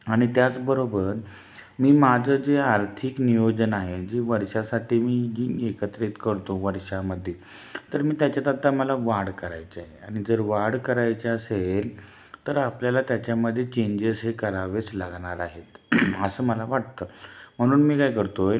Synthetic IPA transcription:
aɽ̃it̪jat͡sbəɾobəɾ | miːmad͡zʱəd͡zeaɾt̪ʰiknijod͡ʑənaɦed͡ʑiʋəɾʂasaʈiːmiːekət̪ɾit̪kəɾt̪oʋəɾʂaməd̪ʱːje | t̪əɾmiːt̪jat͡ɕjat̪at̪aməlaʋaɽkəɾa̰jt͡saɦeaɽ̃id͡zəɾʋaɽkəɾajt͡ɕeəsel | t̪əɾapljalat̪jat͡ɕjaməd̪ʱːjet͡ɕẽɲd͡ʑesɦekəɾaʋeslaɡɳaɾaɦet̪əsəːməlaʋaʈ̚t̪əːm̤əɽ̃uːnmiːkajkəɾt̪o

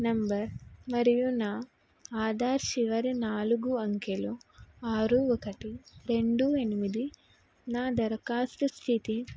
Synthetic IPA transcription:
nɐmbɐɾmɐɾijunaː | aːd̪ʱaːɾʃiʋɐɾinaːluɡuɐŋkeluaːɾuɔkɐʈiɾe̞ɳɖue̞nimid̪i | naːd̪ɐɾɐkaːsʈust̪ʰit̪i

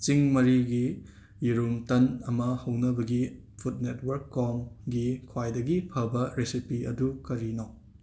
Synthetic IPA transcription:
t͡ʃiŋmɐɾiɡi | jiɾumtɐnɐmɐhɐwnɐbɐɡi | pʰut̚netwɐɾkːɔmɡikʰwajdɐɡipʰɐbɐɾesipiɐ̰dukɐɾino

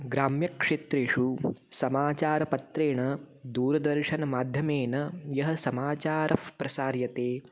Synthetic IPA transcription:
ɡɾaːmjɐkʂeːt̪ɾeːʂusɐmaːt͡ʃaːɾɐpɐt̪ɾeːɳɐ | d̪uːɾɐd̪ɐɾʃɐnɐmaːd̪ʱjɐmeːnɐjɐɦɐ̆sɐmaːt͡ʃaːɾʔɐfpɾɐsaːɾjɐt̪eː

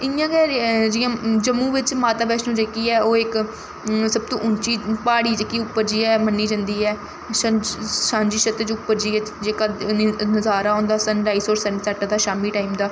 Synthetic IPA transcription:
ɪjãːɡɛːɾd͡ʒiːjãːd͡ʒəmːũːʋɪt͡ʃmaːt̪aːbɛːʃnũːd͡ʒeːkiːɛːoːɪk | səb̚t̪õːʔʊnt͡ʃiːpaːɽiːd͡ʒeːkiːʊpːəɾd͡ʒiːɛːmənːiːd͡ʒãnd̪iːɦɛː | ʃəʃãːnd͡ʒiːʃət̪ːt͡ʃʊpːəɾd͡ʒiːɛːd͡ʒeːkaːnəzaːɾaːɦõːnd̪aːsənɖaːiːsoːɾsəɳɖsaʈad̪aːʃaːmiːʈaːiːmd̪aː

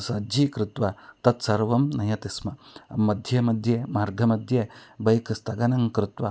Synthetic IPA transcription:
sɐd͡ʒikɾɪt̪ʋɐt̪ɐt̪sɐɾʋɐmnɐjɐt̪ismɐmːɐd̪ʱjɐmɐd̪ʱjemaːɾɡʱɐmɐd̪ʱjebɐjkst̪ɐɡɐnɐŋkɾɪt̪ʋɐ

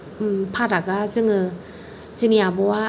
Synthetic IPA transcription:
mpʰaɾaɡazɯŋɯ | zɯmijabɔwa

